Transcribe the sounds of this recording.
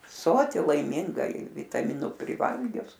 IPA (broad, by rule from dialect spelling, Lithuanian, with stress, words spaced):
ˈsoːtʲɪ lˠɐɪˈmʲɪŋɡɐ ɪ ʋʲɪtɐˈmʲɪnʊ pʲrʲɪˈʋɐlʲɡʲʊs